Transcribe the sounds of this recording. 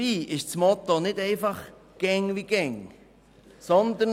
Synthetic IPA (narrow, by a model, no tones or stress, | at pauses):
iːʔɪʃt͡smɔt̪onɪdɛɪfɑχ | ɡ̥ɛŋʋiɡ̥ɛŋ | sɔnd̪ən